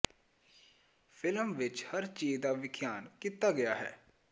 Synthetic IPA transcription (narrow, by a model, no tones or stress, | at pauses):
pʰɪləmʋɪt͡ʃhəɾt͡ʃiːd͡ʒd̪aːʋɪkʰjaːnkiːt̪aːɡɪjaːɦɛ̰ː